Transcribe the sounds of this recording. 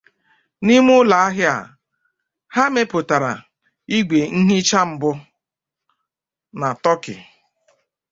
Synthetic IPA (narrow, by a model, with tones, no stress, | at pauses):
ni˦m˦ʊ˦la˨a˦ɦɪ˦a̰˨ | ha˦me˦pʊ˨ta˨ɾa̰˨ | i˦ɡʷe˨ŋ̩˦ɦi˦t͡ʃa˦m̩˨bʊ˦ | na˨tɔ˦kɪ̰˨